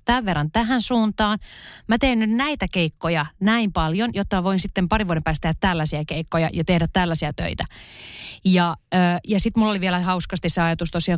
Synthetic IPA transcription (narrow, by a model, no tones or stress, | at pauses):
t̪æʋʋerːɑnt̪æhænsuːnt̪ɑːnmæt̪eːnnynnæit̪ækeikːojɑnæimpɑljonjot̪ːɑmæʋoinsit̪ːempɑriʋuodempæːst̪ehæt̪t̪ælːæsiækeikːojɑ̰jɑt̪ehdæt̪t̪ælːæsiæt̪ø̰it̪æ | jɑøːjɑsit̪mulːoliʋielæhɑuskɑst̪isseɑjɑt̪ust̪osiɑː